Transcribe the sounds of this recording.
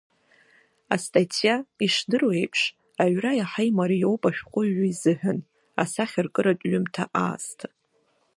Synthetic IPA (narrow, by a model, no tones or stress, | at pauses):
a̰stʼatʰijaiʂdɨrwejpʰʂ | aʕʷrajaħejmaɾijowpʼaʃᶣqʷʼʊɥaizɨħᶣʊn | a̰saχʲarkʼɨɾatʼɥʊmtʰaʔa̰ːstʰ